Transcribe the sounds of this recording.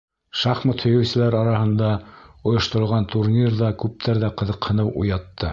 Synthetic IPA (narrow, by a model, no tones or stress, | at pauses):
ʃɑχmot̪hɵ̆jɵ̆wsɘ̆læɾɑɾɑhɤ̆nd̪ɑŏjŏʃt̪ŏɾɤ̆lˠʁɑnt̪uɾnʲirðɑkʉp̚t̪ʰæɾðæqɤ̆ðɤ̆qhɤ̆nɤwʔṵjɑt̪ːɤ